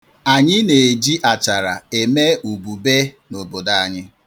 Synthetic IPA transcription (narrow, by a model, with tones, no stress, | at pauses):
a˨ɲɪ˦ne˨e˨d͡ʒi˦ʔa˨t͡ʃa˨ɾa˨e˨me˦u˨bu˨be˦ | no˨bo˨da˨a˨ɲɪ˦